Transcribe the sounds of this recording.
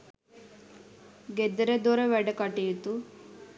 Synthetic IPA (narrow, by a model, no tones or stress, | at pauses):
ɡed̪əɾed̪oɾeʋɛɖəkɐʈijut̪u